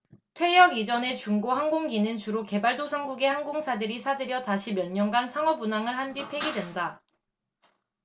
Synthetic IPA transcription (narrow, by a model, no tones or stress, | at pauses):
tʰwe̞jʌɡid͡ʑʌne̞t͡ɕuŋɡoɦaŋɡoŋɡinɯnt͡ɕuɾoke̞baɭdosʰaŋɡuɡe̞haŋɡoŋsʰadɯɾisʰadɯɾjʌtaɕʰimjʌɲːʌŋɡansʰaŋʌbunaŋɯɭɦandɥipʰe̞ɡidwe̞nda